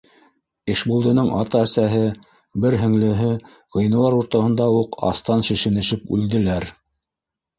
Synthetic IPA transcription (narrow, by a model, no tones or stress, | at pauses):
ɘ̆ʃbulˠd̪ɤ̆nɤɴʔɑt̪ɑːsæɦɘ | bɘɾɦɵ̆ŋlɘ̆ɦɘʁɤ̆jnɤ̆w̪ˠɑɾuɾt̪ɑhɤ̆nd̪ɑuqɑ̰st̪ɑnʃɘ̆ʃɘ̆nɘ̆ʃɘpʉ̰ld̪ɘ̆læɾ